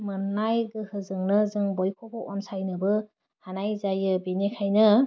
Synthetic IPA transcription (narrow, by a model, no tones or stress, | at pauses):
mɯnːajɡɯhɯzɯŋnɯzɯŋbɔjkʰɔbɔʔɔnsajnɯbɯ | hanajzajɯbinekʰajnɯ